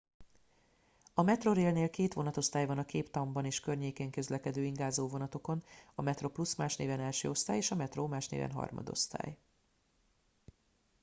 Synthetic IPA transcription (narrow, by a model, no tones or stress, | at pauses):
ɒmɛt̪ro̞ɾeːlneːlkeːt̪ʋo̞nɒt̪o̞st̪aːjvɒnɒkeːpt̪ɒmbɒneːʃkørɲeːkeːŋkø̞zlɛkɛd̪øːiŋɡaːzoːvo̞nɒt̪o̞ko̞nɒmɛt̪ro̞plusmaːʃnḛːvɛnɛlʃø̰ːo̞st̪aːjeːʃɒmɛt̪roːmaːʃnḛːvɛ̰nɦɒ̰rmɒ̰d̪o̞̰st̪a̰ːj